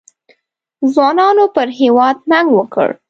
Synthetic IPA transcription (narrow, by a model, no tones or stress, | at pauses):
zwɑnɑnopəɾɦewɑd̪̚naŋɡwəkə̰ɽ